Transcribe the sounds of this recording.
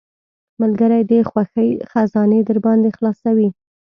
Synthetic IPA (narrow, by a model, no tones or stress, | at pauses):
malɡəɾajd̪əxwaxəjxazɑned̪əɾbɑnd̪exlɑsawi